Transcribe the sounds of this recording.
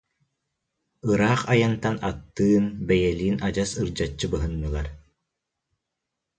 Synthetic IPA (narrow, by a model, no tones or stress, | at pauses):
ɯɾaːχajant̪anat̪ːɯːnbɛjɛliːnad͡ʑasɯɾd͡ʑat͡ɕːɯbɯɦɯnːɯlˠaɾ